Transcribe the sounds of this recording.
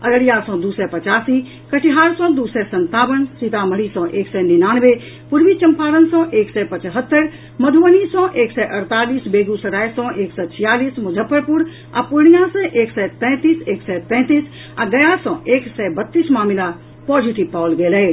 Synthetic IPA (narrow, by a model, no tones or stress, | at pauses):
ələɽijasɔ̃d̪usɛpət͡ʃaːsi | kəʈiɦaːɾsɔ̃d̪usɛsənt̪aːbənsit̪aməɽisɔ̃ʔeːksɛninaːnʋe | puɾʋit͡ʃəmpaːɾənsɔ̃ʔeːksɛpət͡ʃɦət̪ːəɾ | məd̪ʱuʋənisɔ̃ʔeːksɛʔəɾt̪aːliːsbeːɡusəɾajsɔ̃ʔeːksɛt͡ʃʰijaːliːsmʊd͡ʒʱəpːəɾpuɾ | a̰puɾɳijãsə̃ʔeːksɛt̪ɛ̃ːt̪iːseːksɛt̪ɛ̃ːt̪iːs | aɡəjasɔ̃eːksɛbət̪ːiːsmaːmila | pɔd͡ʒiʈibpawlɡeːlɛ